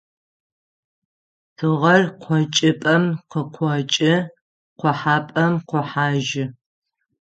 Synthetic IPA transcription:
tʰɨʁɐrqʷʰɔt͡ʃʼɪpʼɐmqəqʷʰɔt͡ʃʼɪ | qʷɔħaːpʼɐmqʷɔħaːʒɪ

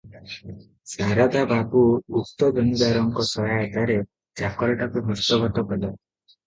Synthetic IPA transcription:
saɾad̪ababuːk̚t̪ɔd̪ɔnid̪aɾɔŋkɔsɔjat̪aɾe | d͡ʒakɔɾɔʈakubʱɔst̪ɔbɔt̪ɔpɔla

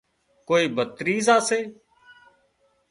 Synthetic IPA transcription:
koːiːbət̪ɾiːzaːseː

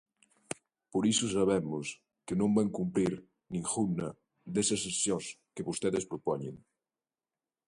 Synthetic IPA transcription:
poɾisʊsaβɛmʊs | kenõmbaŋkumpɾiɾ | nĩŋxunɐ | d̪esɐsesjoskeβost̪eðespɾopɔɲḛŋ

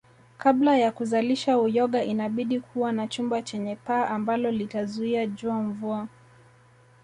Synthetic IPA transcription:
kablajakuzaliʃaujɔɠaʔinaɓiɗikʰuwanat͡ʃumbat͡ʃɛɲɛpaːʔambalɔlitazuiaʄuaɱvua

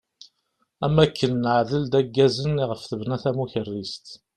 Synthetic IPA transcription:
æmːækːənːəʕðəld̪æɡːæzənːiʁəfθəvnæθæmuçərːist̪

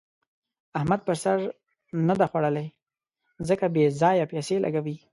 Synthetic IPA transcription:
ahmad̪̚pəɾsaɾ | nad̪axwaɽəla | zəkabezɑjapaselʔa̰ɡawi

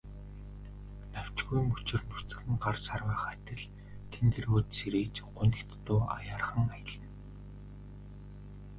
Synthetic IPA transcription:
naw̥ʲt͡ɕɡɣujmɵt͡ɕɪ̆rnɵr̥t͡sɘ̆xɘ̆ŋɢarsarwaːχat̪ɘ̆ɮ | t̪ʰent̪ɘ̆roːt̪seɾeːt͡ɕɢʊnt̪ɪ̆kt̪ːʊːa̰jaːrχə̆ŋajə̆ɮə̆n

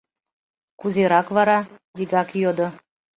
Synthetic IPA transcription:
kuzʲeɾɑkvɑɾɑd̪iɡɑkjod̪ŏ

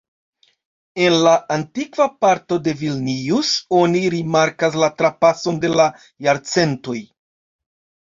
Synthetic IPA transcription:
e̞nlaʔantikvapaɾto̞de̞vilniuso̞niɾimaɾkas̬latɾapaso̞nde̞la | jaɾt͡se̞nto̞j

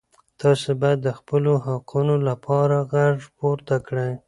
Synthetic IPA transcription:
t̪ɑsebɑjad̪ːəxpəloɦaqʰunolapʰɑɾaɣaɽpoɾt̪akɽəj

